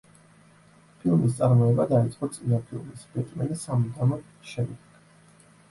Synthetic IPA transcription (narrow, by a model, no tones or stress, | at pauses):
pʰilˠmis̬t̪sʼaɾmɔɛbad̪ait̪sʼqʼɔt̪sʼinapʰilˠmisbɛt̪ʼmɛnisamd̪amɔ | ʃɛmd̪ɛɡ̥